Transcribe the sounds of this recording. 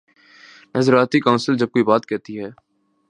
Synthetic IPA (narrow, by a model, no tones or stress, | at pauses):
nɐzɾaːt̪ikaʊ̃nsəld͡ʒɐb̚koibaːt̪kɛt̪iɦɛː